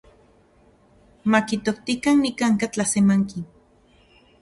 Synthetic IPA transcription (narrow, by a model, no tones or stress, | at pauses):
makit̪okt̪ikannikaŋkat͡ɬasemaŋkin